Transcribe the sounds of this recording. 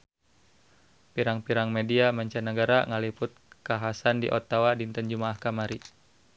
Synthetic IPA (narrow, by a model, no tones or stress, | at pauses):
piɾaŋpiɾaŋmediamaɲt͡ʃanəɡaɾaŋalipʊt̪̚kaɦasandḭʔɔt̪awadint̪ənd͡ʒumaːhkamaɾi